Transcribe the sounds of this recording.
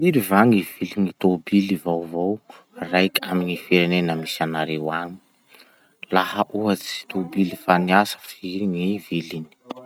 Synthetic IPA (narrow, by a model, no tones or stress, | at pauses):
iɾivaŋiv̥iliŋit̪obilivowvow | rajkʲʰamiɲifeɾenenamisanaɾewaŋi̥ | lahaʔuɦat͡si̥t̪obilifaniasə̥fiɾiŋivilini̥